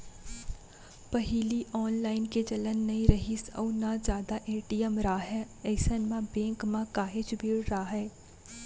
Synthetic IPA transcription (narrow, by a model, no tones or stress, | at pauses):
pɐɦiliʔɔːnlaːɪnked͡ʒɐlənːɐɦĩɾɐɦisɔ̰ːnad͡ʒjaːd̪aʔeːʈijəmɾaːɦɛː | ɛːsənmãbẽːŋkmãkaːɦet͡ʃbʱeːɽɾaɦɛː